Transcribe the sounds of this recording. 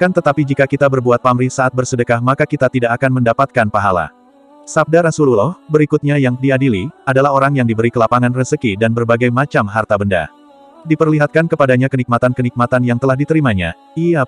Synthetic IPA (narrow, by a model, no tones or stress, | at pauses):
kant̪ət̪apid͡ʒikakit̪abərbuat̪̚pamɾisaʔat̪̚bərsədəkahmakakit̪at̪idaʔːkanməndapat̪̚kanpaɦala̰ | sap̚daɾasululɔhbəɾikut̪̚ɲajaŋdiadiliadalahɦoɾaŋjaŋdibəɾikəlapaŋanrəsəkidanbərbaɡajmat͡ʃamɦart̪abənda̰ | dipərliɦat̪̚kankəpadaɲakənik̚mat̪ankənik̚mat̪anjaŋt̪əlahdit̪əɾimaɲa̰ | ija